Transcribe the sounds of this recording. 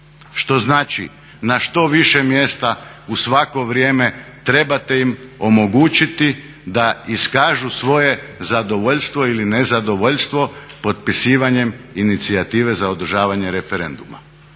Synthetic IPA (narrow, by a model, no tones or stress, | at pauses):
ʃt̪o̞znaːt͡ʃi | naʃt̪o̞ʋiʃe̞mje̞ːst̪a | usʋako̞ʋɾjeːme̞t̪ɾe̞bat̪e̞imo̞mo̞ɡuːt͡ʃit̪i | d̪aiskaːʒusʋo̞je̞zad̪o̞ʋoʎst̪ʋo̞iline̞zad̪o̞ʋo̞ʎst̪ʋo̞po̞t̪̚pisiːʋaɲe̞minit̪siat̪iːʋe̞zao̞d̪ɾ̩ʒaːʋaɲe̞ɾe̞fe̞ɾe̞nd̪uma̰